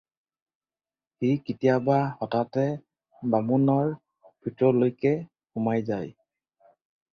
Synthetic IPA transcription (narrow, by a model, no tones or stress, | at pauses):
hijkitijabaxɔtatɛ | bamunɔɹ | b̥ʰʱitɔlojkɛ | hʊmajzaj